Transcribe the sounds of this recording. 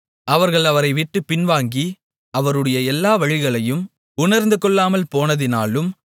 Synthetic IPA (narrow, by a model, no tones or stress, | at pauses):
ʔɐʋɐɾɣɐɭɐʋɐɾɐɪʋɪʈːɯpːɪnʋaːŋɡi | ʔɐʋɐɾɯɽɐjɐɛlːaːʋɐɻɪɣɐɭɐjɯm | ʊnɐɾnd̪ɯkɔɭːaːmɐlpoːnɐðɪnaːlɯm